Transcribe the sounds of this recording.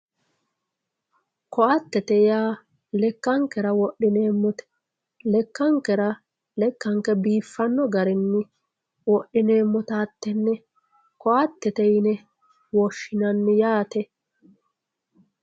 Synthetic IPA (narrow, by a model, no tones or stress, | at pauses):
kɔʔɐt̪ːɛt̪ɛjaː | lɛkːɐŋkɛɾɐwɔʔːɪneːmːɔt̪ɛ̥ | lɛkːɐŋkːɛɾɐ | lɛkːɐŋkɛbiːfːɐnːɔɡɐɾɛnːɪ | wɔʔːɪneːmːɔt̪aːt̪ːɛnːɛ | kɔʔɐt̪ːɛt̪ɛjɪnɛ | wɔʃːɪnɐnːɪjaːt̪ɛ